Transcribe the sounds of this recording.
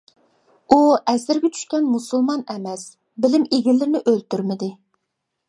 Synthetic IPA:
uɛzɪɾɡʲɛt͡ʃʰy̥ʃkʲɛnmusulˠmɑnɛmɛs | bɪlɪmeɡʲɪlːɪɾnɪʔølt̪yɾmɪd̪ɪ

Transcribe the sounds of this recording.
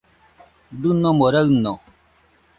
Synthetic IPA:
dunːɔmoɾənɔ

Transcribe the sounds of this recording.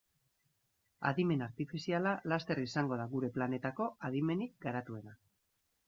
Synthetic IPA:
a̰ðime̞naɾt̪ifisialalast̪e̞risaŋɡo̞ðaɣuɾe̞plane̞t̪ako̞aðime̞nik̚ɡaɾat̪ue̞na

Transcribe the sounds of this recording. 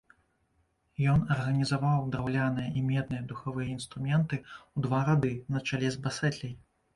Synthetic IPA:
jɔnɐrɣɐnʲizavawd̪ɾawlʲanɨjɐʔimʲɛd̪̚nɨjɐd̪uxavɨjɐin̪st̪ɾumʲɛnt̪ɨwd̪vaɾad̪ɨnɐt͡ʂalʲɛzbasɛt̪ʲlʲɛj

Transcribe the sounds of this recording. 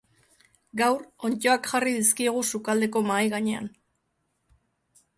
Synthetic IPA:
ɡawɾo̞nt͡ʃo̞akʝariðiskieɣ̞usukald̪e̞ko̞maːjɣaɲe̞a̰n

